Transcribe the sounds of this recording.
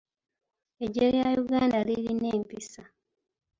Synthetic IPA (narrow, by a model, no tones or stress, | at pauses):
eɟejajuɡaːndaliɾineːmpisa